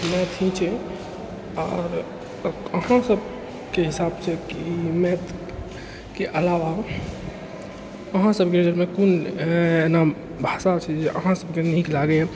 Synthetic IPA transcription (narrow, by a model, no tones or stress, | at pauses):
mɛt̪ʰĩt͡ʃʰɛ | ɔːɾ | əhãsəb | keɦisabt͡ʃʰɛkimɛt̪ | keʔəlaʋa | əɦãsəbʱked͡ʒəɾmẽkunena | bʱasat͡ʃʰɛd͡ʒeʔəɦãsəbkeniklaɡeɛ